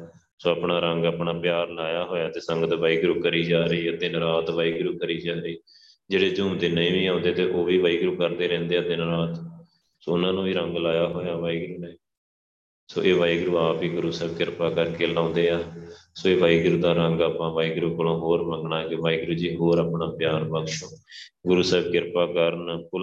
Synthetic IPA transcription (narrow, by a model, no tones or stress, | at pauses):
soːaːpɳaːɾəŋɡaːpɳaːpjaːɾlaːjaːɦoːjaːt̪eːsəŋɡət̪ʋaːiːɡɾuːkəɾiːd͡ʒaːɾiːaːd̪ɪnɾaːt̪ʋaːiːɡɾuːkəɾiːd͡ʒaːɾəiː | d͡ʒeːɽeːd͡ʒuːmd̪eːnəĩːʋiːãːnd̪eːt̪eːʔoːʋiːʋaːiːɡɾuːkəɾd̪eːɾɛ̃ːnd̪eːɛːd̪ɪnɾaːt̪ | soːʊnãːnũːʋiːɾəŋɡlaːjaːɦoːjaːʋaːiːɡɾuːneː | so̰ːʔeːʋaːiɡɾuːaːpiːɡʊɾuːsɛːbkɪɾpaːkəɾkeːlãːnd̪eːaːsoːeːʋaːiːɡɾuːd̪aːɾəŋɡaːpãːʋaːiɡɾuːkəlõːɦoːɾməŋɡɳaːkeʋaːiːɡɾuːd͡ʒiːɦoːɾaːpɳaːpɪjaːɾbəkʃõːɡʊɾuːsɛːb̚kɪɾpaːkəɾnpʊ